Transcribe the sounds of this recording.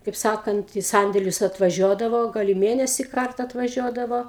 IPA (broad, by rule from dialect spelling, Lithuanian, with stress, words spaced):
kɐɪp ˈsɑːkɐnt iː ˈsɐnʲdʲeːlʲʊs ɐtʋɐˈʒʲoːdɐʋoː ˈɡɐlˠ ɪ ˈmʲeːnʲɛsʲiː ˈkɐrtɐ ɐtʋɐˈʒʲuɔdɐʋoː